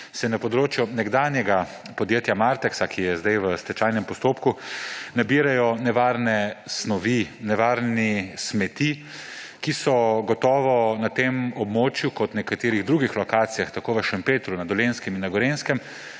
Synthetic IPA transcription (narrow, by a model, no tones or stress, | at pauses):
sɛnapɔd̪ɾoːt͡ʃjunɛɡd̪aːnjɛɡa | pɔd̪jeːt̪jamaɾt̪ɛksakʰijɛzd̪ajʋəst̪ɛt͡ʃajnɛmpɔst̪oːpkunabiːɾajɔnɛʋaːɾnɛsnɔʋinɛʋaːɾnismɛt̪i | kisɔɡɔt̪ɔːʋɔnat̪emɔbmoːt͡ʃjukɔt̪nɛkat̪eːɾiɣd̪ɾuːɡixlɔkaːt̪sijaxt̪akoːʋəʃampeːt̪ɾunad̪ɔleːnskɛminːaɡɔɾenskɛm